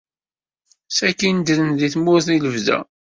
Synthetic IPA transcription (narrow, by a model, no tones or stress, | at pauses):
sækind̪əðənðiθmʊɾθiləvðæ̰